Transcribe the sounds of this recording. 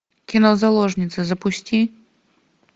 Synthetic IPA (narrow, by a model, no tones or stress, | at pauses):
kʲinɔzalˠɔʐnʲit̪sɨzɐpʊsʲtʲi